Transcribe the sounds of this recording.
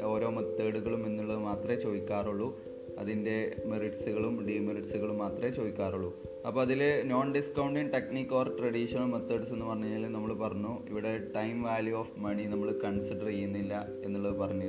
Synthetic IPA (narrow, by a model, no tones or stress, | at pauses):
o̞ːɾo̞ːmɐt̪ːeːɽuɣɐɭume̞nːuɭːɐðɨmaːt̪rɐet͡ɕoʋikʲːaːruɭːu | ɐ̰ðinde̞meriʈsuɣɐɭumɖiːmiriʈsuɣɐɭumːaːt̪rɐet͡ɕoʋikʲːaːruɭːu | ɐpːoːɐðilno̞ːnɖiskɐwɳɖinʈeknikʲːoːrʈrɐɽiːʂɐnɐɭmɐt̪ːeːɽse̞nːupɐrɐɲːuaːlnɐmːɐɭpɐrɐɲːuḭʋiɽe̞ʈɐjmʋaːljuoːfmɐɳinɐmːɐɭkɐɳsiɖɐrejːunːilːɐ | e̞nːuɭːɐðɨpɐrɐɲːu